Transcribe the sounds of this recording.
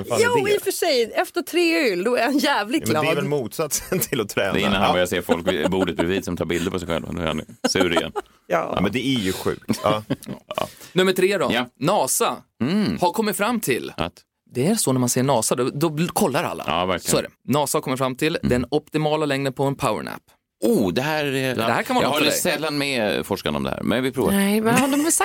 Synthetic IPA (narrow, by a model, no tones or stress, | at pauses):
uːɪfəʂɛjɛft̪ət̪ʰɾeːʏld̪ɔæɾhanjæːvlɪɡʰlaɛvɛlmuːt̪sat̪sənt̪ʰɪlɔt̪ʰɾɛːɛɪːanhanbœɾjaseːɾfɔlkvbuːɖət̪̚bɾɪviːd̪sɔmt̪ʰɑːɾbɪld̪əɾpʰɔsɛjɧɛ̰lva̰nʉ̰ɛ̰ɾha̰sʉːɾɪɡɛ̰n | j̰ːmɛnd̪ɛæɾjʉɧʉ̟̰ːk̚t̪ː | ɑ̰nɵmːəʈʰɾeːd̪ɔjanɑːsahaɾkʰɔmːɪt̪fɾamːt̪ʰɪlʔa̰t̪ | d̪ɛæɾsɔnæmanseːɳɑːsad̪ɔd̪ɔkʰɔlːaɾa̰lːa̰ɑ̰ːvæɾklsɪɔæːɖɛ̰nɑːsahkɔmːəɾfɾamːt̪ʰɪld̪ɛnɔp̚t̪ɪmɑːlalɛŋd̪ənpʰɔɛnpʰaʊə̰ɳæ̰pː | uːd̪ɛɦæɾɛd̪ɛhæːɾkʰanɪaahaɾjsɛlːanmɛfɔʂkanəɔ̰md̪ɛ̰hæ̰ːɾmɛnvɪpʰɾṵːvad̪ɔmsa